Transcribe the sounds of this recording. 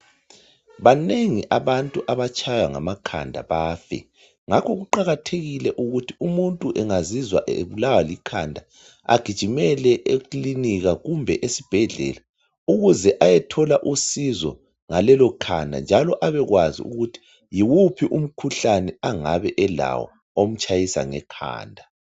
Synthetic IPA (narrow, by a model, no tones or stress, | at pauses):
βaneŋiʔaβantʼuʔaβat͡ʃʼʰajaŋa̰makʰa̰ndʱa̰βaːfɛ̰ | ŋakʰɔɣuǃaɣatʰeɣilɛʔuɣutʰiumuntʼuʔɛŋazizwa̰ʔḛβulawalikʰandʱa | a̰ɡ̥ʱid̥ʒ̥ʱimɛlɛʔekliniɣaɣumbʱɛʔesib̥ʱɛɮɛ̰la | uɣuzɛʔajɛtʰɔlaʔusizɔ | ŋalɛlɔkʰandʱa̰nd͡ʒʱalɔʔaβɛɣwazḭṵɣutʰi̥ | jiwupʰiʔum̩kʰuɬanɛaŋaβɛʔɛla̰wɔ̰ | om̩t͡ʃʼʰajisa̰ŋɛkʰa̰ːndʱa